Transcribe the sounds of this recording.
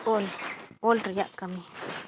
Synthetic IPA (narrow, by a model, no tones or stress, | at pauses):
ololt̪ɾaja̰ʔkami